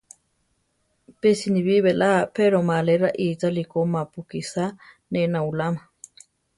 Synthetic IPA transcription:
pesiniβiβelapeɾomaleɾaʔit͡salikomapukisa | nenaulama

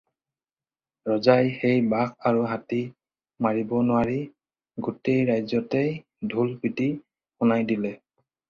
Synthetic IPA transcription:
ɹɔzajxejbakʰaɹuɦati | maɹibɔnʊaɹi | ɡutejɹajzɔtej | dʱulpiti | xunajdilɛ

